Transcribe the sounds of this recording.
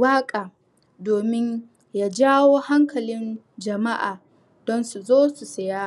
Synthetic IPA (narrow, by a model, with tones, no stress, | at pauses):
waː˦kʼaː˨ | doː˨mɪ˦ɲ | jaː˦˨d͡ʒaː˦woː˦ha˦ŋkɐ˨lɪ˦n | d͡ʒɐ˨ma˦ʔaː˨ | d̥ɔ˦nsu˨zoː˦su˨sɐ˨jaː˦